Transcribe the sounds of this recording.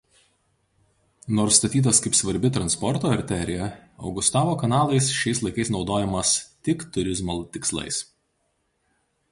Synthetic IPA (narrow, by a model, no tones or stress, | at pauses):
noːɾst̪ɐt̪ʲiːt̪̬ɐskɐɪpsʋɐɾʲbʲɪt̪ɾɐnspɔɾt̪oːɐɾʲt̪ʲɛɾʲɪjɛɒ̰ʊɡʊst̪ɑːʋoːkɐnɑːlˠɐɪsʃʲɛɪslˠɐɪkɐɪsnɒʊd̪oːjɛmɐst̪ʲɪkt̪ʊɾʲɪzmolˠt̪ʲɪkslˠɐ̰ɪs